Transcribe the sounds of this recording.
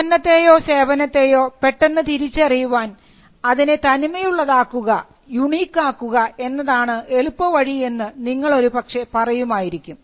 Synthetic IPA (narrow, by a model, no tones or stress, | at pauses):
ɐnːɐt̪ːe̞ːjo̞ːse̞ːʋɐnɐt̪ːe̞ːjo̞ːpe̞ʈːe̞nːɨt̪iɾit͡ɕːɐrijuʋaːn | ɐðinet̪ɐnimɐjuɭːɐðaːkːuɣɐ | juɳiːkːaːkːuɣɐe̞nːɐðaːɳɨʔe̞ɭupːɐʋɐɻie̞nːɨniŋːɐɭo̞ɾupɐkʂepɐrɐjumaːjiɾikʲːum